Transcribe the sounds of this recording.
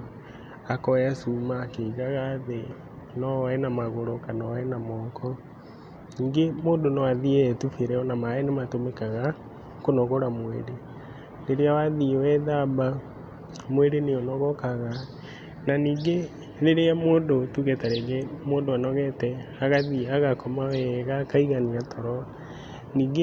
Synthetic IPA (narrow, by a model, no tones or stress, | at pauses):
akɔjasumaːkeɣaɣaðe | nɔɛnamaɣoɾɔkanɔɛnamɔːkʰɔ | niːŋɡemoːndonɔaðiɛːtufeɾɛɔnamaɛnematomekaɣa | konɔɣoɾamweɾe | neɾeawaðiwɛðaba | mweɾeneɔnɔɣɔkaɣa | naniːɡe | neɾeamoːndotuɣetaɾeɣemoːndoanɔɣɛtɛ | aɣaðiaɣakɔmawɛɣakaiɣaniatʰɔɾɔ | niːɡe